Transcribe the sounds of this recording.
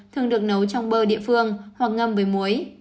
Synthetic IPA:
t̪ʰɨ˨˩əŋɗɨ˨˩ək̚nə˨˦wt͡ɕɔ˧wŋ͡mɓəː˧ɗḭ˧˨əfɨ˧əŋhwa˨˩k̚ŋə˧mvəː˨˦jmu˨˦əj

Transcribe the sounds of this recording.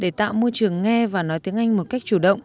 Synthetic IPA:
ɗe˧˩t̪a̰ː˧˨wmo˧jt͡ɕɨ˨˩əŋːɛ˧vaː˨˩nɔ˨˦jt̪i˨˦əŋʔa˧jŋ̟mo˨˩t̚ka˦˥jk̚t͡ɕu˧˩ɗə̰˧˨wŋ͡mʔ

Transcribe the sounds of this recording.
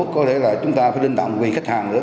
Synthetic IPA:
kːɔ˨˦t̪ʰe˧˩la̰ː˧˨˩t͡ɕʊ˨˦ŋ͡mt̪aː˧faː˨˦jlï˧ŋ̟t̪ɔ̰˧˨wŋ͡mkwi˨˩xa˦˥k̚thʰaː˨˩ŋnɨ̰˧˥ə

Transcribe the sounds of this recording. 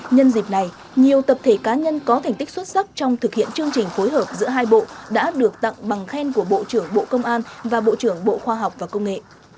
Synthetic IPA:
ɲə˧nzi˨˩p̚na˨˩j | ɲi˨˩əwt̪ə˨˩p̚t̪ʰe˧˩kaː˨˦ɲə˧nkɔ˨˦t̪ʰa˨˩ŋ̟t̪i˦˥k̚swə˦˥t̚sa˦˥k̚t͡ɕɔ˧wŋ͡mt̪ʰɨ˨˩k̚hḭ˧˨ənt͡ɕɨ˧əŋt͡ɕï˨˩ŋ̟fo˨˦jɦəː˨˩p̚zɨ̰˧˥əɦaː˧jɓo̰˧˨ɗa̰ː˧˥ɗɨ˨˩ək̚t̪a̰˧˨ŋɓa˨˩ŋxɛ˧nku˧˩əɓo̰˧˨t͡ɕɨ˧˩əŋɓo̰˧˨kə˧wŋ͡mʔaː˧nvaː˨˩ɓo̰˧˨t͡ɕɨ˧˩əŋɓo̰˧˨xwaː˧ɦwk͡p̚vaː˨˩kə˧wŋ͡mŋḛ˧˨

